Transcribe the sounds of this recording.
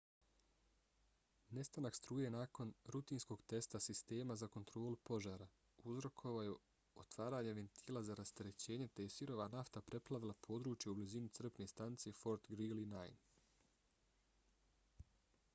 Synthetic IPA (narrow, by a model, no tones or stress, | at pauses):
ne̞st̪anakst̪ɾuːje̞naːko̞nɾut̪iːnsko̞ɡt̪e̞st̪asist̪e̞ːmazako̞nt̪ɾo̞ːlupo̞ʒaːɾa | uzɾo̞kʰo̞ʋaju | ot̪ʋaːɾaːɲeʋe̞nt̪ʰiːlˠazaɾast̪eɾe̞t͡ɕe̞ːɲe̞t̪ejesiɾo̞ʋanaft̪apɾe̞plˠaʋilˠapʰo̞ːd̪ɾuːt͡ʃjeublizinit̪r̩pne̞st̪ant̪sijefo̞ɾt̪ɡɾilinajn